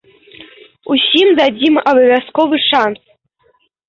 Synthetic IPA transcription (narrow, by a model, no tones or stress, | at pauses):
usʲimd̪ad͡zʲimʔabɐvʲaskovɨʂans